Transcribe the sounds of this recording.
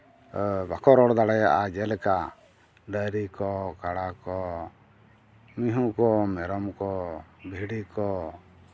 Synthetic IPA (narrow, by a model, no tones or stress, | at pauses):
bakɔɾɔɽd̪aɽɛjaʔad͡ʒɛlɛka | ɖəɾikɔkaɽakɔ | miɦũkɔmɛɾɔmkɔbʱiɽikɔ